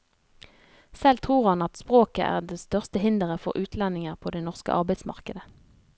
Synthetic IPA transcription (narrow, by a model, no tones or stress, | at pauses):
sɛlt̪ʰʁuːʁhɑnɑt̪spʁoːkə̰ʔæ̰ːʁd̪est̪œʁst̪əhɪnd̪əʁəfɔ̰ʁʔʉːt̪ʰlɛnɪŋəʁpʰoːd̪eːnɔʁskə̰ʔɑʁbæɪsmɑ̰ʁkəd̪ə